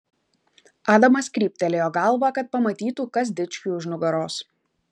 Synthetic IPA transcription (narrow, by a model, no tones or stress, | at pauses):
ɑːd̪ɐmɐskʲɾʲiːp̚ʲt̪ʲɛlʲeːjoːɡɐlˠˑʋɐkɐt̪̚pɐmɐt̪ʲiːt̪uːkɐs̬d̪ʲɪt͡ʃʲkʲuːʊʒnʊɡɐɾoːs